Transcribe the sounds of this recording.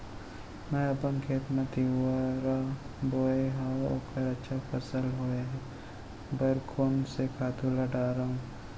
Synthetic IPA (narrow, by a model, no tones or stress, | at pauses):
mɛ̃ɐpənkʰeːt̪mɐt̪iɦuaɾa | boːeɦao̰ːkəɾɐtːʃʰapʰɐsəlɦoeɦɛ | bəɾkʰoːnsekʰaːt̪ulɐɖaːɾaːɦũː